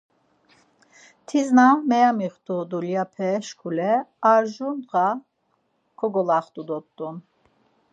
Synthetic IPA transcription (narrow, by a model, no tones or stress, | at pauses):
t̪ʰiznamɛjamiχt̪ʰʼud̪uljapʰɛʃkʰulɛaɾʒunʁa | kʰɔɡɔlaχt̪ʼud̪ɔtt̪ʼːun